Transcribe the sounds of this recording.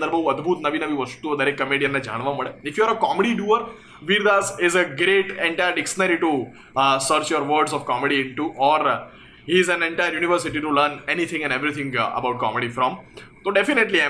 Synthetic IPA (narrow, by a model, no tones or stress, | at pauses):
d̪əɾbɐɦuɐd̪bʱuːt̪nɐʋinɐʋiʋɐst̪ud̪ɐɾekːɐmeːɖijənːed͡ʒa̰ːɽ̃ʋamɐɭeɪfjuəɾəkɔːmeɖiɖjuːəɾ | ʋiɾd̪aːsɪzəɡɾeːʈɛ̃ɳʈajəɾɖɪkʃənəɾiʈu | səɾt͡ʃjɔɾʋəːɾɖzɔʋkɔːmeɖiɪ̃ɳʈuʔɔːɾ | ɦiɪzæ̃nɛ̃ɳʈajəɾjuːnɪʋəɾsɪʈiʈuləːɾnɛnit̪ʰɪ̃ŋɛ̃nɖeʋɾit̪ʰɪ̃ŋɡɐ̰baʊʈ̚kɔ̰ːmeɖifɾɔ̃mt̪oɖefɪneʈlia